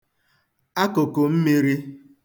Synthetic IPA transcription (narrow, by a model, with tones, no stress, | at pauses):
a˦ko˨ko˨m̩˦mi˦ɾi˦